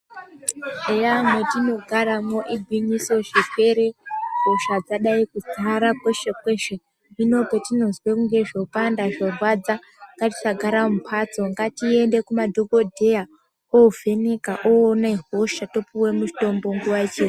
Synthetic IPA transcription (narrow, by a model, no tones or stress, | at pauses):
ejamotino̞ɡʱaɾamoʔibʱiɲiso̞ʃeke̞ɾe̞ɦoʃad͡zaɗaikud͡ziaɾakweʃekwe̞ʃe | ino̞potino̞zwekuŋɡe̞ʐopandaʐorwad͡za | ŋɡati̥saɡʱaɾamupʰat͡so̞ŋɡatie̞nde̞kumadʱoko̞dʱe̞ja | ouvʱe̞nekaʔoːnaiɦoʃato̞puwe̞mut͡ʃi̥to̞mbo̞ŋɡuʋait͡ʃe